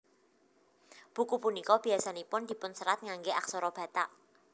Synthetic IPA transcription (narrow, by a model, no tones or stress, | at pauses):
b̥ṳkupunikɔb̥i̤asanipʊnd̥̪i̤pʊnsəɾat̪̚ŋaŋɡeʔaksɔɾɔb̥ä̤t̪aʔ